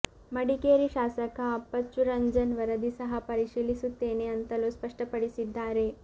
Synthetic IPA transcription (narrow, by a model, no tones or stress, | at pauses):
mɐɽikeːɾiʃaːsɐkaːpːɐt͡ʃːuɾɐɲd͡ʒɐnʋɐɾɐd̪isɐɦɐpɐɾiʃiːlisut̪ːeːneɐnt̪ɐloːspɐʂʈɐpɐɽisid̪ːaːɾe